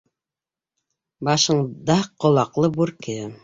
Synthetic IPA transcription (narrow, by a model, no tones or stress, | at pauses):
bɑʃɤ̆ɴd̪ɑqŏlˠɑqlˠɤbuɾkɘ